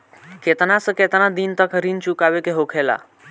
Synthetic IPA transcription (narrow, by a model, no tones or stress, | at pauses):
ket̪nasə̃ket̪nad̪int̪əkɾint͡ʃukabekeɦokʰela̰